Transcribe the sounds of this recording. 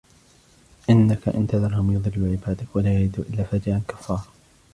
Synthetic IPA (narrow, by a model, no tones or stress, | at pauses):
ʔɪnːakaʔɪ̰nt̪aðɑɾˤhʊmjʊðˤɨlːʊʕɪbaːd̪akwalaːjaʕɪd̪ṵːʔɪlːaːfaːd͡ʒɪʕalkḁfːɑːɾˤɑ